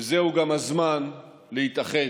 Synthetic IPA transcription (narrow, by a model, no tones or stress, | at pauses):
zeuɡamhazman | lehit̪aχe